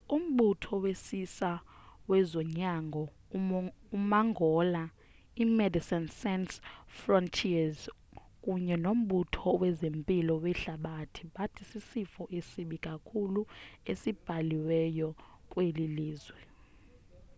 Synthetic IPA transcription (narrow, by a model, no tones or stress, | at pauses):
um̩ɓutʰɔwesisawɛzɔɲaŋɡʱɔ | umaŋɡʱɔla | imɛdisɛnsɛnsfrɔntʰiaz | kʼuɲɛnom̩ɓutʰɔwɛzempʼilɔwɛɬaɓatʰiɓatʰisisifɔʔesiɓikʼakʰuluesib̥ʱaliwɛjɔ | kʼweliliːzwɛ